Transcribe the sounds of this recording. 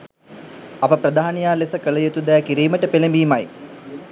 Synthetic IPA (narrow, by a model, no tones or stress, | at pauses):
ɐpɐprɐd̪ʱaːnijaːlesɐkɐlɐjot̪ːud̪ɐjakiɾiːmɐʈːɐpelɐmbiːmaj